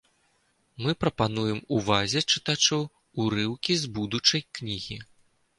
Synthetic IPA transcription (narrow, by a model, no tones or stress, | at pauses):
mɨpɾɐpanujɛmuvazʲɛt͡ʂɨt̪at͡ʂɔw | uɾɨwkʲizbud̪ut͡ʂɐjknʲiɣʲi